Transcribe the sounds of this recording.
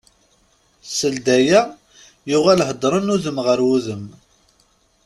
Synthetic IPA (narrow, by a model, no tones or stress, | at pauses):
səld̪æjæ | jʊʁælɦəd̪ɾˤənuðəmʁəɾwuðəm